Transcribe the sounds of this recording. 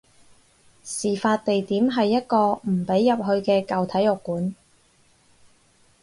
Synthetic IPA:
siː˨˩faː˧t̚t̪e˨jt̪iː˨˥mɦɐ˨jːɐ˥t̚kɔː˧m̩˨˩pe˨˥jːɐ˨p̚ɦɵ˧ɥkɛː˧kɐ˨wt̪ʰɐ˨˥jɔ˨kːuː˨˥n

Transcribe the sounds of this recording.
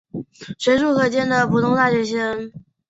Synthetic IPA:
ʂwe˧˥ɪʂu˥˩kʰɤ˧˩t͡ɕjɛ˥nd̪ə˨pʰu˨˩t̪ʰʊ˥ŋt̪a˥˩t͡ɕɥɛ˧˥ɕɛ˥ŋ

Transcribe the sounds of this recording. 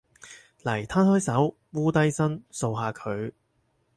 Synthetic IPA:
lɐ˨˩jt̪ʰaː˥nhɔː˥jsɐ˨˥w | wuː˥t̪ɐ˥jsɐ˥nso˧wɦaː˧kʰɵ˨˧ɥ

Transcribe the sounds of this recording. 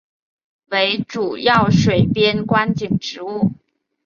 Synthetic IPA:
we˧˥ɪʈ͡ʂu˨˩jɑ˥˩ʊʂwe˨˩ɪpjɛ˥nkwa˥nt͡ɕi˨˩ŋʈ͡ʂɻ̩˧˥u˥˩

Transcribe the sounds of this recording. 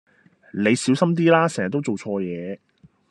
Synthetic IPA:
le˨˧jsiː˨˥wsɐ˥mt̪̬iː˥laː˥sɛː˨ŋɐ˨t̪ːo˥wt͡so˨wt͡ʃʰɔː˧jɛː˨˧

